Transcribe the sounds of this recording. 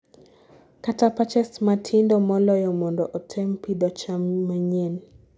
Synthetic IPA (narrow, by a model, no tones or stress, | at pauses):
katapat͡ʃɛsmatʰindɔmɔlɔjɔmɔndɔʔɔtʰɛmpid̪ɔt͡ʃammaɲen